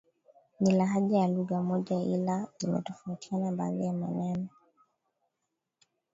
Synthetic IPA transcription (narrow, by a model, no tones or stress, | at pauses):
nilaɦaʄajaluɣamɔʄailaimɛ̰tɔfauti̥anaba̰ːðajamanani